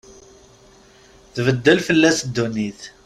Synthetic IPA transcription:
ðvəd̪ːəlfəlːæsd̪ːuniθ

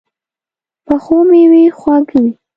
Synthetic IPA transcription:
pəxomewixwaɡwi

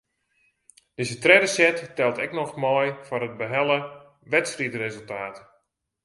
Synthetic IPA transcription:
d̥ɪzətrɛdəsɛtːɛlˠtɛknɔxmɔjfɔnəd̚bəɦɛlˠə | ʋɛtsritrezəlˠtaːt

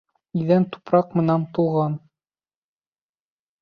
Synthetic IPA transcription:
iðænt̪u̥pɾɑqmɤ̆nænt̪ulˠʁɑn

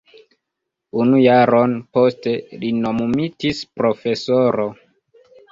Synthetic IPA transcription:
unujaɾo̞nposte̞linomumitispɾofe̞soɾo

